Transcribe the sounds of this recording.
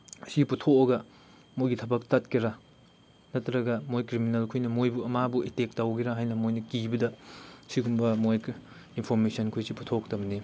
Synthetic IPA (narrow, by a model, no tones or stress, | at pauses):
siputʰokɐɡɐ | mojɡitʰɐbɐk̚tat̚kʰiɾa | nɐtʰɾɐɡɐmojkɾiminelkʰujnɐmojbuɐmabuetek̚tawɡiɾaɦajnɐmojnɐkibɐdɐsiɡumbɐmoj | inpʰoɾmesɐnkʰujsipu̥tʰoktɐbɐni